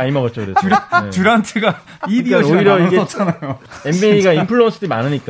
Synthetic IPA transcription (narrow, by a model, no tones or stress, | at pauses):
aimʌɡʌt̚t͡ɕ͈okɯɾesɾt͡ɕuɾantʰeɡa | idiʌoiɾʌiɡeʌt͡ɕanajoembieiɡaimpʰɯɭːonsʰɯdima̰nɯɲik͈a